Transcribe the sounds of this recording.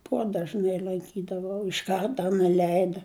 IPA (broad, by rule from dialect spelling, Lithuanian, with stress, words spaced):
ˈpoːdɐʒʲnʲæɪ lˠɐŋʲˈkʲiːdɐʋɐʊ ɪʃ ˈkɐrtɐ nʲɛˈlʲɛɪdɐ